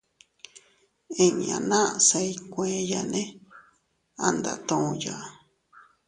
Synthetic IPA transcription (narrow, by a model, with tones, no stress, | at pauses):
ĩ˦ɲã̰˨˧nã˦ʔsa˧i˦kʷẽ˦˧˦ja˨nẽ˦ | a˦nd̪a̰˨t̪õ˧ja˨